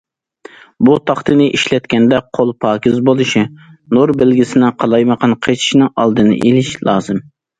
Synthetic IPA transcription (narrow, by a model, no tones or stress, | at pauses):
but̪ʰɑχt̪ɨnɨʔiʃlɛt̪̚kʲɛnd̪ɛqʰolˠpʰɑːkʲɪzbolˠɨʃinoɾbɪlɡʲisɪnɪqʰɑlˠɑjməqʰɑnqʰet͡ʃʰi̥ʃnɨŋʔɑ̰lˠd̪ɨnɨ̰ʔelɪʃlˠɑːzɨm